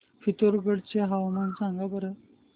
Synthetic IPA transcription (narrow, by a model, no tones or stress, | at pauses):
fit̪oɾɡəɽt͡ɕeɦawmənsaŋɡabəɾə